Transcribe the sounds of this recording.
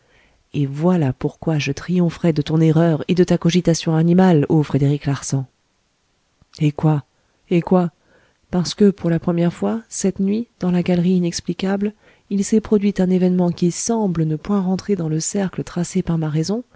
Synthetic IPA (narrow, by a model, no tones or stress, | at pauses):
evwalapuʁkwaʒət̪χijɔ̃fχɛd̪ət̪ɔ̃neʁœʁed̪ət̪akɔʒit̪asjɔ̃animalofχed̪eʁiklaʁsɑ̃ | ekwa | ekwa | paʁsə̥kəpuʁlapχəmjɛʁfwasɛt̪nɥid̪̥ɑ̃laɡalʁiːnɛksplikabl | ilsɛpχɔd̪ɥit̪ɛ̃nevɛnmɑ̃kʲisɑ̃blənəpwɛ̃ʁɑ̃t̪χed̪ɑ̃ləsɛʁklət̪χasepaʁmaʁɛzɔ̃